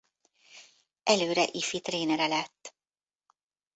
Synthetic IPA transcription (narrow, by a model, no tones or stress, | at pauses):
ʔɛløːɾɛʔifit̪reːnɛɾɛlɛt̪ː